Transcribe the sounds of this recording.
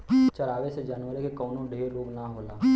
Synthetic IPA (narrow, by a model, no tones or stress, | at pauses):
t͡ʃɐɾaːʋesed͡ʒaːnʋəɾekekɔːnõɖʱeːɾloːɡnaɦoːlaː